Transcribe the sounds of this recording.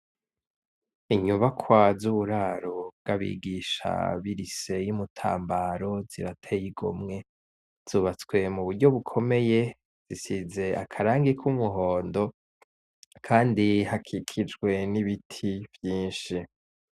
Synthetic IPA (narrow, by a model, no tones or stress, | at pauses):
iɲuβakʰwazuβuɾaːɾob̚ɡaβḭɡiʃa̰βiɾise̞jumutʰa̰ːmbaɾo̞ziɾatʰejiɡo̰mŋe̞ | z̥uːβat͡swe̞muβuɾɟo̞βukʰo̞me̞je̞ | z̥isize̞akʰaɾaːŋɡikʰumuɦo̞ːndo̞ | kʰaːndihakʰikʰid͡ʒɡwe̞niβitʰivjiːnʃi